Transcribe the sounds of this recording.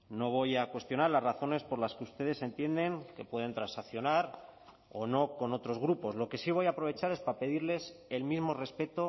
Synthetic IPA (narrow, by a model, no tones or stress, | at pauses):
no̞β̞o̞jakwe̞st̪jonaɾlazraθo̞ne̞spo̞ɾlaskeust̪e̞ð̞e̞se̞nt̪je̞nd̪e̞ŋke̞pwe̞ð̞e̞nt̪ɾãnsakθjo̞naɾ | o̞no̞ko̞no̞t̪ɾo̞zɣɾupo̞zlo̞ke̞siβ̞o̞japɾo̞βe̞t͡ʃaɾe̞spape̞ðiɾle̞se̞lmizmo̞re̞spe̞t̪o̞